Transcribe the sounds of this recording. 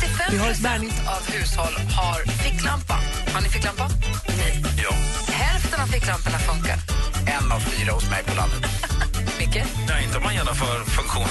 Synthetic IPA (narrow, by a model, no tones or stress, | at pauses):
t̪ɪfɛvɪɦaɾɛt̪sbæɳɪŋt̪avhʉ̟ːshɔlːhaɾfɪkːlampa | haɳɪfɪkːlampanɛjjɑ̰ːhɛlft̪ənaflɪkːlampənafɵŋka̰ɾɛna̰vfyːɾahʊsmɛ̰jpʰɔla̰nd̪ət̪mʏkːənɛɪnt̪əɔmːanjeːnːɔmfœːɾfɵŋkɧuːn